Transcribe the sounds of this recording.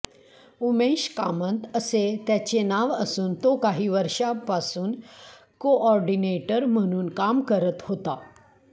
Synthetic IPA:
umeɕkamə̃nt̪əset̪jat͡ɕenaʋəsuːnt̪okaɦiːʋəɾʂapasuːn | koʔɔɾɖineʈəɾm̤əɽ̃uːnkamkəɾət̪ɦot̪a

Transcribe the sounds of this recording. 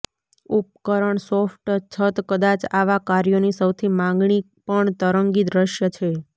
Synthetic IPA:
up̚kəɾəɳsofʈt͡ʃʰət̪kəd̪at͡ʃaʋakaɾjonisəwt̪ʰimãŋɡɳi | pəɳt̪əɾəŋɡid̪ɾəʃjət͡ʃʰe

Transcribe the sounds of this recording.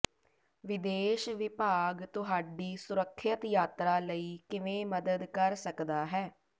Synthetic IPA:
ʋɪd̪eːʃʋɪpaːɡt̪ʊɦaːɖiːsʊɾəkʰːət̪jaːt̪ɾaːləiːkɪʋẽːməd̪əd̪kəɾsəkd̪aːɦɛː

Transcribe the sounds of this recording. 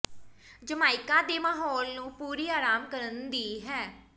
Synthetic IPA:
d͡ʒəmaːɪkãːd̪eːmaːɦɔːlnũːpuːɾiːaːɾaːmkəɾənd̪iːɦɛː

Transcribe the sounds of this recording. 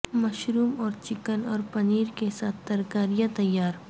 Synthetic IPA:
mɐʃɾuːmɔːɾt͡ʃɪkənɔːɾpɐniːɾkesaːt̪ʰt̪ɐɾkaːɾijat̪ɐjːaːɾ

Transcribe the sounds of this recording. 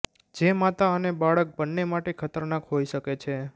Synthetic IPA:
d͡ʒemat̪aənebaɭək̚bənːemaʈekʰət̪əɾnakɦojʃəket͡ʃʰe

